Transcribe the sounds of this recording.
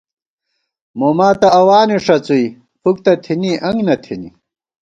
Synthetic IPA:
momaːt̪ɐːwaːniʂɐt͡sui | puk̚t̪ɐt̪ʰiniʔɐŋɡnɐt̪ʰini

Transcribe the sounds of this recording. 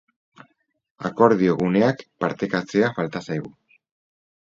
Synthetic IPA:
a̰ko̞ɾðio̞ɣ̞une̞akpaɾt̪e̞kat͡se̞afalt̪asajɣu

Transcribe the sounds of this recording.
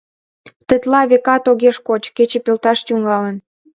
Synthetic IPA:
t̪ə̆t̪lɑβekɑt̪oɣeʃkot͡ɕket͡ɕĕpelt̪ɑʃt̪yŋɑlən

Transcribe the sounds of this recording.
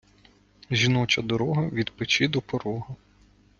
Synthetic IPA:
ʒʲinɔt͡ʃɐd̪ɔɾɔɦɐʋʲid̪pɪt͡ʃɪd̪ɔpɔɾɔɦɐ

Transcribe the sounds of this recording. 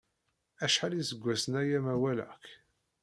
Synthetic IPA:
æʃħalisəɡʷːæsənæjæmæwælæ̰k

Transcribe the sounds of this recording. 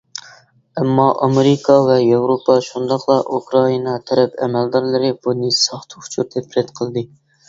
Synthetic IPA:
ɛmːɑʔɑmeɾɪkʰɑvɛjewɾopʰɑʃund̪ɑχlˠɑʔukɾɑinɑt̪ʰɛɾɛpɛ̰mɛld̪ɑɾlˠɨɾɨb̥unɨsɑχt̪ʰu̥ʊ̥t͡ʃʰut̪ʰɛpʰɾɛt̪qʰəlˠɨd̪ɨ

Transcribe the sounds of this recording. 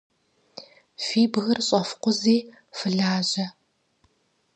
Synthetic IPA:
fiːbɣɐrɕʼɐfqʷʊziː | fɨɮaːʑɐ

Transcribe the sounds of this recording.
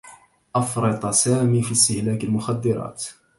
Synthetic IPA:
ʔɑfɾˤɨt̪ˤɑsaːmiːfist̪ɪhlaːkalmʊxad̪ːɪɾˤɑ̰ːt̪

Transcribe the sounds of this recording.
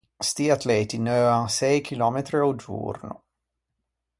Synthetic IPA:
st̪iat̪lɛːt̪inøːaŋsɛjkʰilɔːmet̪ɾeod͡ʒṵːrno̰

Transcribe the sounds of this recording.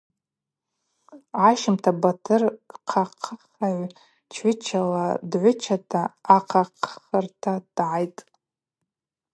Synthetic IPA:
aʃɪmtʰabatʰɨrqʰaqʰəχaʕʷ | t͡ʃʰɪt͡ʃʰaladʕʷʊt͡ʃʰatʰaːqʰaqʰχərtʰad̥ʕajtʼ

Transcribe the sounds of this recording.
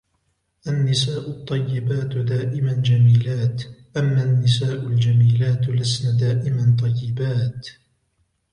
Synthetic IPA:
ʔanːɪsaːʔʊt̪ˤːɑjːɪbaːt̪d̪aːʔɪmand͡ʒamiːlaːt̪ʔamːanːɪsaːʔʊld͡ʒamiːlaːt̪lasnaːd̪aːʔɪmant̪ˤɑjːɪbaːt̪

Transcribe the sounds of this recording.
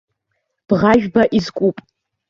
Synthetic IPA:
b̥ʁaʒᶣbaʔizkʷʼupʼ

